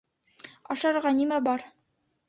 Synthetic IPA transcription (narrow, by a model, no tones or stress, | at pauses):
ɑʃɑɾʁɑnimæbɑɾ